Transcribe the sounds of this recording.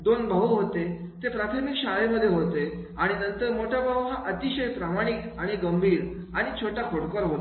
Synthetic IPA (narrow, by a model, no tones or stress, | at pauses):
d̪onbʱəɦuɦot̪e | t̪epɾat̪ʰəmikɕaʋeməd̪ʱːjeɦot̪e | aɽ̃inənt̪əɾmoʈʰabaɦuɦaʔət̪iɕəjpɾamaɽ̃ikaɽ̃iɡəmbʱiːɾaɽ̃it͡ɕʰoʈakʰoɽkəɾɦot̪